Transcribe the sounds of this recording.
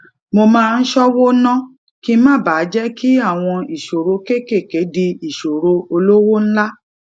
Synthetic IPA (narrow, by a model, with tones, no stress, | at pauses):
mo˧mãː˦˧n̩˦ʃɔ˦wo˦nã˦ | ki˦mãː˦˨baː˨˦d͡ʒɛ˦ki˦a˦˨w̃ɔ̃˧i˨ʃo˨ɾo˧ke˦ke˦˨ke˨˦di˧i˨ʃo˨ɾo˧o˧lo˦wo˦ñ̩˦la˦